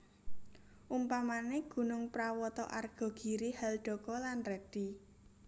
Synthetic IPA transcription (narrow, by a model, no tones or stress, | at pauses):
ʔumpamaneɡ̥ṳnʊŋpɾawɔt̪ɔ̰ʔarɡ̥ɔ̤ɡ̥i̤ɾihɛlɖ̥ɔ̤kɔlanrɛɖ̥i